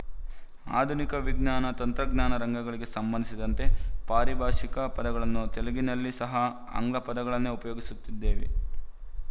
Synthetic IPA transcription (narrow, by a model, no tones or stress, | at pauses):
a̰ːd̪ʱunikɐʋiɡɲaːnɐt̪ɐnt̪ɾɐɡɲaːnɐɾɐŋɡɐɡɐɭiɡe̞sɐmbɐnd̪isid̪ɐnt̪e̞paːɾibʱaːʂikɐpɐd̪ɐɡɐɭɐnːut̪eleɡinɐlːisɐɦɐ | ɐ̰ŋɡlɐpɐd̪ɐɡɐɭɐnːeupɐjoːɡisut̪ːid̪ːe̞ːʋḛ